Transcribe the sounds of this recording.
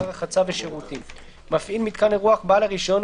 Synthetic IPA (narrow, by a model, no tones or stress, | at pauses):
ʁaχat͡saveʃeʁut̪im | mafʔilmit̪̚kaneʁuaχbaːlaʁiʃo̞n